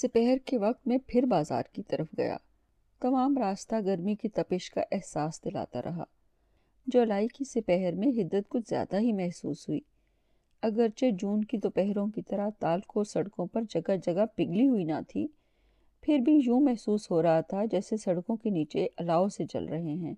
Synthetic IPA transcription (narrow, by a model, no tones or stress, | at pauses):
sɪpɛɦɛɾkeʋɐq̚t̪mẽpʰɪɾbaːza̰ːɾkit̪ɐɾəfɡɐ̰ja̰ː | t̪ɐmaːmɾaːst̪aɡɐɾmikit̪ɐpɪʃka̰ʔɛɦsaːsd̪ɪla̰ːt̪a̰ɾʔɐ̰ɦa̰ː | d͡ʒoːlaːikisɪpɛɦəɾmẽɦɪd̪ːət̪kʊt͡ʃʰzja̰ːd̪aɦimɛɦsṵːsɦuḭː | ɐɡəɾt͡ʃed͡ʒuːnkid̪oːpɛɦɾõkit̪ɐɾat̪aːlkosɐɽkõpɐɾd͡ʒɐɡad͡ʒɐɡapɪɡliɦuina̰t̪ʰḭ | pʰɪɾbʱijũːmɛɦsuːsɦoɾɐɦat̪ʰad͡ʒɛːsesɐɽkõkeniːt͡ʃeʔɐlaːoset͡ʃɐ̰lɾɐɦeɦɛ̃ː